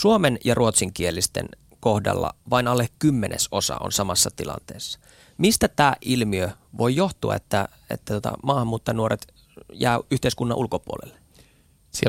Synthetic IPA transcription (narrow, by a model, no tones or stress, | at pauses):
suomenjɑrʔuot̪siŋkielːist̪ḛn | kohdɑ̰lːɑ̰ʋɑinɑlːekkymːeneso̞sɑ̰o̰nsɑmɑsːɑt̪ilɑ̰nt̪eːsːɑ̥ | mist̪æt̪æːʔʔilmiø | ʋojjoht̪uɑ̰et̪ːæ | ḛt̪ːæt̪uot̪ɑ̰mɑːhɑmːuːt̪ːɑnuoɾet̪ | jæːyht̪eiskunːɑʔulkopuo̰lelːe̥ | sie